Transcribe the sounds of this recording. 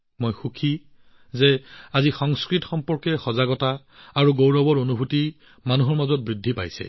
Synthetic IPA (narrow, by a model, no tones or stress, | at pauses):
mojxukʰi | zɛazixɔŋskɹitxɔmpɔɹkɛxɔzaɡɔtaː | ɹuɡowɹɔbɔɹonubʱuti | manuɦɔɹmazɔt̚bɹidʱːipa̰jsɛ̰